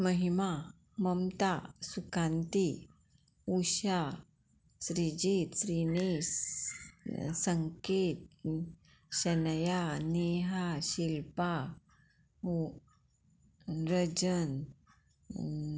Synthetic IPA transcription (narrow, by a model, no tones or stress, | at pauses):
məɦima | məmt̪asukãnt̪i | uɕa | sɾid͡ʑit̪sɾini | səŋket̪̚ | ɕənjaneɦaɕilpa | ɾəd͡ʑən